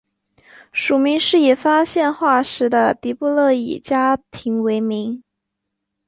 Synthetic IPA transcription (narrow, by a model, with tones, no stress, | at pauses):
ʂu˨˩mi˧˥ŋʂɻ̩˥˩jɛ˨˩fa˥ɕjɛ˥˧nxwa˥˩ʂɻ̩˧˥d̪ə˧t̪i˧˥pu˥˧lɤ˥˩ḭ˨˩t͡ɕja˥t̪ʰi˧˥ŋwe˧˥ɪmi˧˥ŋ